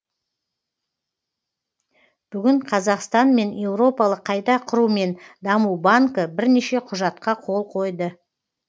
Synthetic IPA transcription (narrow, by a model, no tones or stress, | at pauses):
b̥ʏɡʲɪɴqʰɑzɑqst̪ɑnme̞nje̞wɾo̞pɑlˠəqʰːɑjd̪ɑqʰʊɾume̞nd̪ɑmuwbaŋkəbɪɾne̞ʃe̞qʰʊʒɑt̪qɑqʰo̞lˠqʰo̞jd̪ə